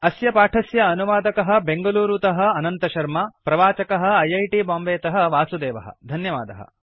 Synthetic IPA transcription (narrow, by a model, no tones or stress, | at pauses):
ɐsjɐpaːʈʰɐsjɐːnuʋaːd̪ɐkɐɦɐ̆beŋɡɐluːɾut̪ɐɦɐ̆ːnɐnt̪ɐʃɐɾmɐpɾɐʋaːt͡ʃɐkɐɦɐ̆ɐjɐjʈibaːmbeːt̪ɐɦɐ̆ʋaːsud̪eːʋɐɦɐ̰d̪ʱɐnjɐʋaːd̪ɐɦɐ̰